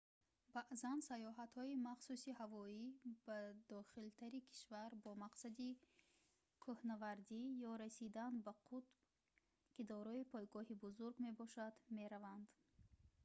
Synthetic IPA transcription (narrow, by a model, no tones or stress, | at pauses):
baʔzansajɔɦat̪hɔimaχsusihavɔib̥ad̪ɔχilt̪ʰaɾikʰi̥ʃvaɾbɔmaqsad̪i | kʰohnavaɾd̪ijɔɾasid̪anbaqʰut̪ | kid̪ɔɾɔipʰɔjɡɔɦibuzuɾɡme̞bɔʃad̪me̞ɾavand̪